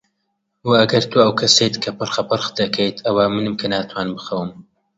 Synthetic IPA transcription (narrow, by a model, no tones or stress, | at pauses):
wɐɐɡɐɾt̪ʰuɐwkʰɐsejt̪kʰɐpɨɾxɐpɨɾxd̪ɐkʰejt̪ʰɐwamɨnɨmkʰɐnaːt̪ʰwaːnmbɨxɐwɨm